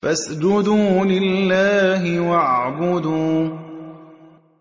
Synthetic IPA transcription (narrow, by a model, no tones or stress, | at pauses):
fasd͡ʒʊd̪uːlɪllːaːɦɪwaʕʕbʊd̪uː